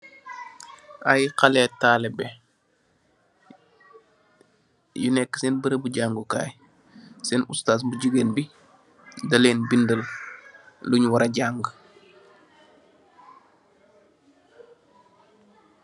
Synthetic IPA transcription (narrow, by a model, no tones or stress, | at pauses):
ʔajqalɛtaːlɛbɛ | junɛkːsɛnbəɾəbuɟaŋɡuka̰ːj | sɛnṵstaːs̬buɟuɡeːnbi | dɐleːnbindəl | luɲwɐɾɐɟaːŋɡ